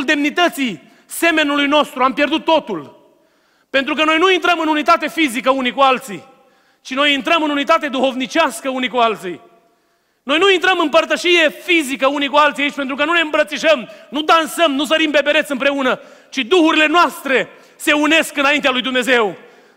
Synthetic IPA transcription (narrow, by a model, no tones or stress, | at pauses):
ld̪e̞mnit̪ət̪si | se̞me̞nulujno̞st̪ɾuampje̞rd̪ut̪ːo̞t̪ul | pe̞nt̪ɾukəno̞jnuint̪ɾəmɨnunit̪at̪e̞fizikəunikualt̪sḭ | t͡ʃino̞jint̪ɾəmɨnunit̪at̪e̞d̪uho̞vnit͡ʃaskəunikualt̪si | no̞jnuint̪ɾəmɨmpərt̪əʃije̞fizikəunikualt̪siait͡ʃpent̪ɾukənune̞ɨmbɾət̪siʃəmnud̪ansəmnus̬əɾimbe̞beɾe̞t̪sɨmpɾe̞unə | t͡ʃid̪uhuɾile̞noast̪ɾe̞ | se̞une̞skɨnaint̪ealujd̪umne̞ze̞w